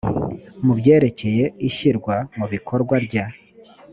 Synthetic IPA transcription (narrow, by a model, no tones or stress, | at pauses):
mubɟe̞ːɾe̞ce̞je̞iʃiɾɡwamuβikʰo̞ɾɡwaɾɟa